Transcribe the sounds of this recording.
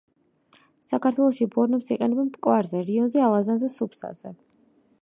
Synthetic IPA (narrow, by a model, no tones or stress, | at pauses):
sakʰaɾt̪ʰwɛlˠɔʃibɔɾnɛpsiqʼɛnɛbamt̪ʼkʼwaɾzɛɾiɔnzɛalˠazanzɛsupʰsa̰z̥ɛ